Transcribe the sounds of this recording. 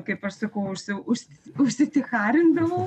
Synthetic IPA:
kɐɪpɐʃsɐkɐʊʊʃsʲɪʊʃsʊʃʲsʲɪt̪ʲɪxɑːɾʲɪnd̪ɐʋɐː

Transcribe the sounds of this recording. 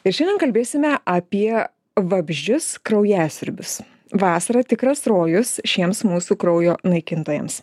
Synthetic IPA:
ɪɾʃʲɛnd̪ʲɛnkɐlʲbʲeːsʲɪmʲɛʔɐpʲiɛ | ʋɐbʲʒʲd͡ʒʲʊskɾɐʊjæːsʲɪɾʲbʲʊs | ʋɑːsɐɾɐt̪ʲɪkɾɐsɾoːjʊsʃʲiɛmsmuːsukɾɔʊjoːnɐɪkʲɪnt̪oːjɛ̰ms

